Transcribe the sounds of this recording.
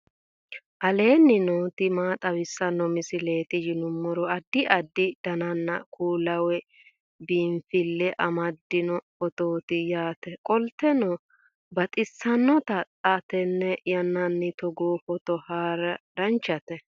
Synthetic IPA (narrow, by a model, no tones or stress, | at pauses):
ʔɐle̞ːnːɪnoːt̪ɪmaːt̪ʼɐwɪsːɐnːɔmɪsɪle̞ːt̪ɪd͡ʒɪnʊmːɔɾɔɐd̪ːɪʔɐd̪ːɪd̪̥ɐnɐnːɐkʰuːlɐwɛ | biːɱfɪlːɛʔɐmɐd̪ːɪnɔ | ɔt̪oːt̪ɪjaːt̪ɛkʼɔlt̪ːɛnɔ | bɐt̪ʼɪsːɐnːɔt̪ɐtʼɐt̪ɛnːɛjɐnːɐnːɪt̪ɔɡoːfɔt̪ɔhaːɾɐd̪ɐnt͡ʃːɐt̪ɛ